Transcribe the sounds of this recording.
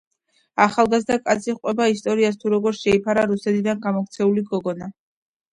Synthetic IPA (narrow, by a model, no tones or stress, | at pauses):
aχalˠɡazd̪akʼat̪sʰiqʼwɛbaist̪ʼɔɾiast̪ʰuɾɔɡɔɾʃɛipʰaɾaɾusɛt̪ʰid̪anɡamɔkt̪sʰɛuliɡɔɡɔna